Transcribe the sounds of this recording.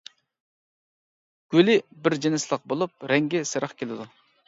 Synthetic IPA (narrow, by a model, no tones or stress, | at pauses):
ɡ̥ʲølɪbɪɾd͡ʒenɪslˠəq̚bolˠup̚ɾɛŋɡʲɛsɨɾɑχkʲʰelɪd̪u